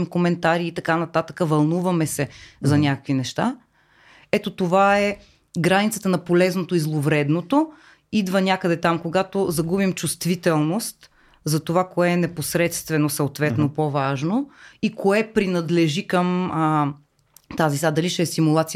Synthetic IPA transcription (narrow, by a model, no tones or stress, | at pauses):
imkomɛnt̪aɾiːt̪ɐkanɐt̪at̪əkəvɐlˠnuvɐmɛsɛzɐnʲakəkvinɛʃt̪a | ɛt̪ot̪ovaɛ | ɡɾanit̪sət̪ənɐpolɛznot̪oizlˠovɾɛd̪not̪o | id̪vənʲakəd̪ɛt̪amkoɡat̪ozɐɡubimt͡ʃust̪vit̪ɛlˠnost̪ | zɐt̪ovakoɛːnɛposɾɛt̪st̪vɛnosəot̪vɛt̪nopovaʒnoikoɛpɾinɐd̪lɛʒikəmə | t̪azisad̪ɐliʃɛsimulˠat̪si